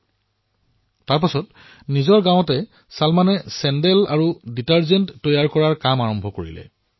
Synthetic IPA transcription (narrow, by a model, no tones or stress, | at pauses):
taɹpasɔt | nizɔɹɡãwɔtɛ | salmanɛsɛndɛlaɹuditaɹzɛntːɔjaɹkɔɹaɹkamaɹɔmbʱɔkoɹḭlɛ̰